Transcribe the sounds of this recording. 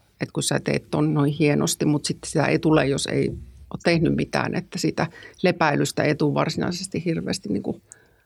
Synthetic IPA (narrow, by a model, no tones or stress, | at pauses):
et̪kust̪æt̪ḛit̪t̪onnoihieno̰st̪immut̪sit̪ːsit̪æ̰ḛit̪ulejosḛioːt̪t̪ehnymmit̪æ̰ːnet̪ːæsiːt̪ælepæilyst̪æeit̪uʋʋɑrsinɑ̰ˑisest̪ihhirʋḛːst̪inniːŋku